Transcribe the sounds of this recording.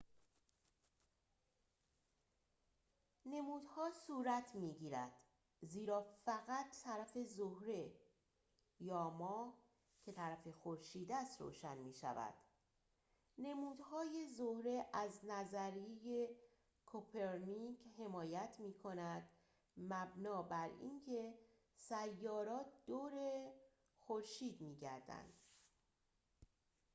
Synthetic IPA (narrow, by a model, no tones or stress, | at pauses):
ne̞muːd̪hɒːsuːɾæt̪ʰmiːɟiːɾæd̪̥ | ziːɾɒːfæɣæt̪ːʰæɾæfe̞zohɾe̞ | jɒːmɒː | cʰe̞t̪ʰæɾæfe̞xo̞ɾʃiːd̪æst̪ɾo̰ːʃænmiːʃæ̰væ̰d̪̥ | ne̞muːd̪hɒːje̞zohɾe̞ʔæznæzæɾieje | kʰopʰe̞ɾnikhe̞mɒːjæt̪ʰmiːkʰo̞næd̪̥ | mæbnɒːbæɾḭːncʰe̞ | sæjːɒːɾɒːt̪̚ʰd̪̥oːɾe | xo̞ɾʃiːd̪miːɟæɾd̪æ̰nd̪̥